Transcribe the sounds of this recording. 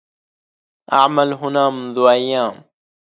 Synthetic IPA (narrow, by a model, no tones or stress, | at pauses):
ʔa̰ʕmalɦʊnaːmʊnðuːʔajːaːm